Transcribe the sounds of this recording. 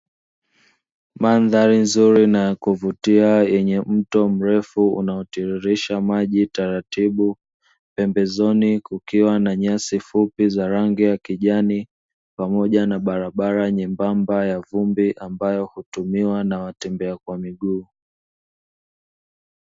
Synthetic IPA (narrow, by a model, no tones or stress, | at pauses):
manðaɾinzuɾinakuvutiajɛɲɛm̩tɔm̩ɾɛfuṵnaɔtiɾiɾiʃamaʄitaɾatiɓu | pɛmbɛzɔnikukiwanaɲasifupizaɾaŋɡɛjakiʄani | pamɔʄanaɓaɾaɓaɾaɲɛmbambajavumbiʔambajɔhutumiwanawatɛmbɛakwamiɠuː